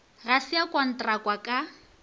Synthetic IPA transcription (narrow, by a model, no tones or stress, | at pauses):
ɣasiakʼwɔn̩tʼrakʼwakʼa